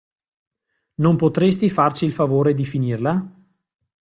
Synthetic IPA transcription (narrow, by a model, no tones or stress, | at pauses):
nompot̪ɾest̪ifart͡ʃiːlfavoːɾed̪ifinirla